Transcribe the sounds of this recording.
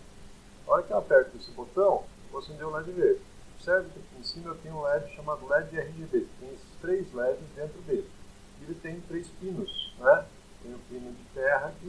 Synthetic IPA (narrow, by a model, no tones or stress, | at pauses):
ɔɾɐkɛapɛɾt̪ʊesɪbot̪ɐ̃w̃vosẽd̪ew̃lad͡ʒɪve | oɾsɛɾvɪkɪkẽsĩmɐewt̪ẽj̃ũlɛvɪʃamad̪ʊlɛd͡ʒd͡ʒɪɛhɪʒebeɪ̥t̪ẽj̃esɪ̥st̪ɾejzlɛvɪzd̪ẽnt̪ɾʊd̪elɪ | elɪt̪ẽj̃t̪ɾejspĩnʊsnɛ | t̪ẽj̃ʊ̃pĩnʊd͡ʒɪt̪ɛɦɐɪ